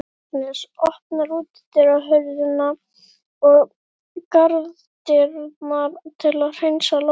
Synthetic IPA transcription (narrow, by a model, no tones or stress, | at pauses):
nɪsɔhpnaɾuːt̪ɪ̥t̪ɪɾaɦœɥðɪna | ɔɣ | kaɾð | t̪ɪɾmaɾt̪ʰɪlaðr̥ejnsalo